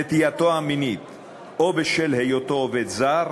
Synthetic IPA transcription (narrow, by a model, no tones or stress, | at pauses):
et̪ijat̪oaminit̪ | ʔobeʃelhejot̪o̞ved̪zaʁ